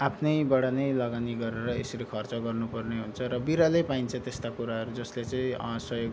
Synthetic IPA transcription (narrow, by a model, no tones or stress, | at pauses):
apʰnʌjbʌɽanʌjlʌɡaniɡʌɾeɾʌesɾikʰʌrt͡sʌɡʌrnupʌrneɦunt͡sʰʌɾʌbiɾalʌjpaint͡sʰʌt̪est̪akuɾaɦʌɾud͡zʌslet͡sʌĩsʌɦjoɡ